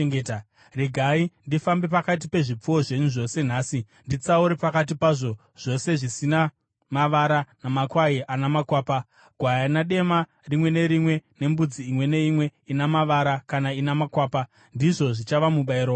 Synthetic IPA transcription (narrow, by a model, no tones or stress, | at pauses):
ŋɡeta | reɡʱaindifambe̞pakat̬ipe̞ʐip͡fuwo̞ʐe̞ɲuʐo̞se̞n̤aːsi | ndit͡sauɾepakat̬ipaʐo̞ | ʐ̥o̞se̞ʐisina | maʋaɾanamakwaiʔanamakwaːpa | ɡʱwajanaɗe̞ma | rimwe̞ne̞ɾimwe̞ne̞mbud͡ziːmwe̞ne̞imwe̞inamaʋaɾakanainamakwaːpa | ndiʐo̞ʐit͡ʃaʋamuɓaiɾo